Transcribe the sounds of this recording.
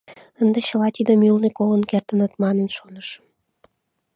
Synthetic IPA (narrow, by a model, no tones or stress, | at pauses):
ənd̪eɕəlɑt̪id̪əmylnikolənkert̪ənət̪mɑnənʃonəʃ